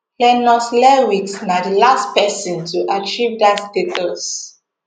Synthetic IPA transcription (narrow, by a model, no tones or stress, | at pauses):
lɛnɔslɛwiksnadəlastpɛsĩntʰuʔat͡ʃivdatdetos